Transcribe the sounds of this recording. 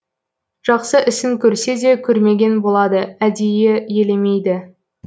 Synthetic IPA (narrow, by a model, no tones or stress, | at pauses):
ʒ̥ɑqsəʔɪsɪŋkʲʰɵɾse̞d̪e̞kʲʰɵɾme̞ɡʲe̞nbo̞lˠɑd̪əæd̪e̞jeje̞lemejd̪ɪ